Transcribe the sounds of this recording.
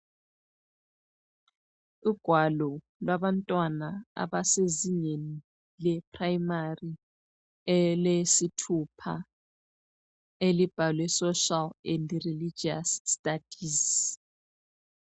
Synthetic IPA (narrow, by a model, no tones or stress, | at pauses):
uɡ̥ʱwalɔ | lwaβantʼwanaa̰βaseziɲeni | lɛpʰʼrajimari | ɛlesitʰupʰa̰ | elib̥ʱalwɛsɔʃalɛndrilid͡ʒiasːtʼad̥ʱis